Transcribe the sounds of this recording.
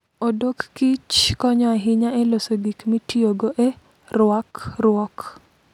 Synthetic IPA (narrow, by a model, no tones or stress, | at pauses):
odokːit͡ʃkɔɲɔaɦɪɲaelosoɡikmitioɡoʔe | rwakrʊɔk